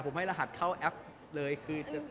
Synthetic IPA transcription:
pʰo˩˦mha˥˩laː˧ɦa˨˩t̪̚kʰa˥˩wʔɛ˦˥p̚ | lɤː˧jkʰɯː˧t͡ɕa˨˩

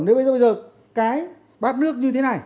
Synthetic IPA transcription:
nɗe˨˦ɓə˧jzːjzəː˨˩ | kaː˨˦j | ɓaː˦˥p̚nɨ˦˥ək̚ɲɨ˧t̪ʰe˨˦na˨˩j

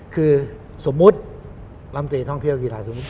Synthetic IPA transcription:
kʰɯː˧ | so˨˩˦mːu˦˥t̪̚ | la˧mt̪iː˨˩t̪ʰɔ˥˩ŋt̪ʰi˥˩əwkʰiː˧˩laː˨˦jso˨˩˦mːu˦˥t̪

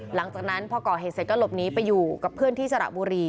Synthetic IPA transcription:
la˩˦ŋt͡ɕaː˨˩k̚na˦˥npʰɔː˧kɔː˨˩ɦeː˨˩se˨˩t̚ka˥˧˩lo˨˩p̚niː˦˥pa˧jːuː˨˩ka˨˩pʰːɯ˥˩ənt̪ʰiː˥˩sa˧ɾa̰˨˩ʔ̚buː˧ɾiː˧

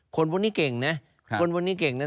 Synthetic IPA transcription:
kʰo˧npʰuː˧˥˧niː˦˥˩ke˨˩ŋna˦˥ | o˧npʰu˥˧niː˦˥˩ke˨˩ŋna˦˥

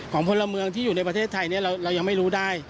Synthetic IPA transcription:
kʰɔː˩˦ŋpʰo˧lːa˧mɯ˧əŋt̪ʰiː˥˩u˨˩na˧jp̬ɾa˧eː˥˩t̪ʰːa˧jni˥˩ɐɾa˧wɾa˧wja˧ŋma˥˩jɾuː˦˥daː˥˩j

